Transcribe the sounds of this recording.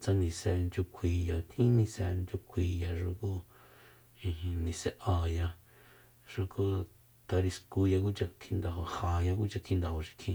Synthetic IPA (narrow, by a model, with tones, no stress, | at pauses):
t͡sã˧nĩ˨sɛ˧nd͡ʒu˧kʷʰi˨ja˨t̪ʰĩ˦nĩ˧sɛ˧nd͡ʒu˧kʷʰiː˧˨ja˧˨ʃu˧ku˦ | ĩ˧hĩ˧nĩ˧se˧ʔa˨ja˧ | ʂu˧ku˦ | t̪a˧ɾi˧sku˧ja˧ku˦t͡ʃa˧t̪ʰĩ˧nd̪a˨ho˧hã˨ja˧ku˦t͡ʃa˧k̪ʰĩ˧nd̪a˧ho˧ʃi̥˧k̪ʰĩ˧